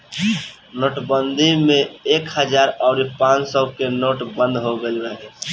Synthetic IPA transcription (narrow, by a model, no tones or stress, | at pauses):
noʈbənd̪ʱimẽekhəd͡ʒaɾɔʊɾipãsɔkenoːʈbə̃nd̪ɦoɡelbəɦ